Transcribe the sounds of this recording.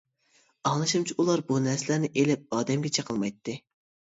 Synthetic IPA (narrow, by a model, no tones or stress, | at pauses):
ɑŋlˠɨʃɨmt͡ʃʰiulˠɑɾbunɛɾsɪlæɾnɪʔelɪp̚ɑːd̪ɛmɡʲɛt͡ʃʰɑqʰəlˠmɑjt̪ʰːɨ